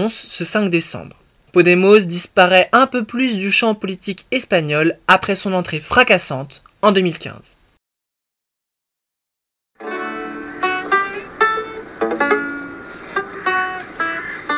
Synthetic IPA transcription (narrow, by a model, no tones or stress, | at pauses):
sːəsɛ̃kd̪esɑ̰̃bʁ | pɔd̪emozd̪ispaʁɛʔɛ̃pøplys̬d̪yʃɑ̃pɔlit̪ikɛspaɲɔlapχɛsɔ̃nɑ̃t̪χefχakasɑ̃t̪ | ɑ̃d̪ømilkʲɛ̰̃z̥